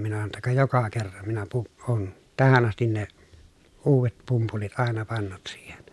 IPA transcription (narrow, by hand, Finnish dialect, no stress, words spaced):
minæ sɑno tːɑ kɑ jokɑ kerːɑn minæ pu oːn tæhæn ɑstin ne uːʋet pumpulit ɑˑenɑ pɑnːut siːhen